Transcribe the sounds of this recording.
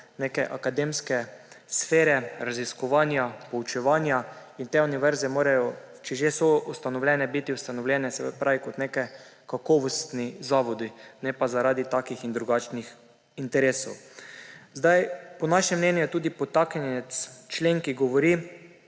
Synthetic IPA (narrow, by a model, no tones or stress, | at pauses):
nekɛʔakad̪emskɛ | sfeːɾɛɾaziskɔʋaːnjapɔut͡ʃɛʋaːnjaint̪euniʋɛɾzɛmoːɾajɔ | t͡ʃɛʒesɔust̪anɔwlʲjɛnɛbit̪iust̪anɔwlʲjɛnɛsɛpɾaʋikɔt̪nekɛkakɔʋɔst̪nizaːʋɔd̪inɛpazaɾaːd̪it̪aːkixind̪ɾuɡaːt͡ʃnix | int̪ɛɾeːsɔw | zd̪ajpɔnaʃɛmːnɛnjʊɛt̪uːd̪ipɔt̪aknɛt̪st͡ʃleːŋkiɡɔʋɔɾi